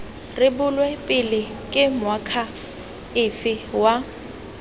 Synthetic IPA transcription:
rɪbʊlwɛpʼɪlɪ | kʼɪmwakʰa | ɪfɪwa

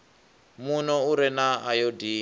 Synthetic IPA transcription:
munɔuɾɛnaajodiː

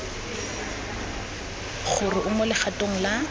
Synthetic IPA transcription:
χʊrɪʔʊmʊlɪχatʼoŋ̩la

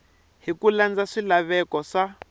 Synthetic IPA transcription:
ɦikuland͡zaʂilaβɛkɔʂa

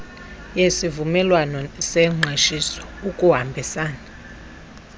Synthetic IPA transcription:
jesivumɛlwanɔsɛŋ͡ǁʱweʃisɔ̥ukʼuɦambʱisaːna

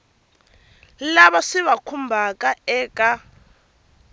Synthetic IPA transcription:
laβasiβakʰumbʱakʼaɛːkʼa

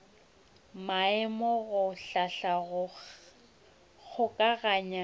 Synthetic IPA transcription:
maɪmɔɣʊɬaɬaɣʊ | ɣʰʊkʼaɣaːɲa

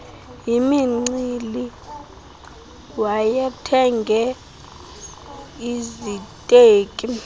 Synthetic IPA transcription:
jimiŋ͡ǀili | wajatʰɛŋɡʱɛ | izitʼeːkʼi

